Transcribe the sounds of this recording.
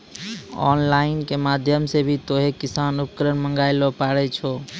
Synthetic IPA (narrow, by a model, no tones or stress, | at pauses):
ɔ̰nlaɪnkemad̪ʱjəmsebʱit̪oɦekisanupkəɾənmə̃ŋɡaɪlɔpaɾɛt͡ʃʰo